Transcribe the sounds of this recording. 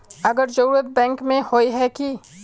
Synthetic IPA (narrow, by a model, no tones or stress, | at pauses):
ɐɡəɾd͡ʒɐɾuːɾət̪̚bɛ̃ːŋkmẽhoːiɦɛki